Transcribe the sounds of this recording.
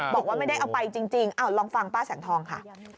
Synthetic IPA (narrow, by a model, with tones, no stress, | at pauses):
bɔː˨˩k̚waː˥˩ma˥˩jda˥˩jʔa˧wpa˧jt͡ɕi˧ŋt͡ɕi˧ŋʔa˧˩wlɔː˧ŋfa˧ŋpaː˥˩sɛː˩˦ŋt̪ʰɔː˧ŋkʰa̰˥˩